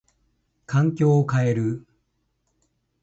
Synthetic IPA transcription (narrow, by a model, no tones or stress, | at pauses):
kʰãŋkʲo̞ːkae̞ɾɯ̟